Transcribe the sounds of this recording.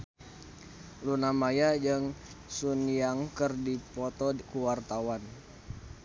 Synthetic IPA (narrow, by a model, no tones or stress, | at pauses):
lunamajad͡ʒəŋ | sunjaŋkərdipɔt̪ɔkuwart̪awan